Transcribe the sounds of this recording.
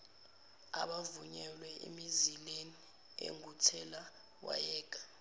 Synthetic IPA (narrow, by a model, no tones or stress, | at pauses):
a̰ɓavuɲɛlwɛʔḭmizileni | ḛŋutʰɛla | wa̰jɛːɡ̥ʱʼḁ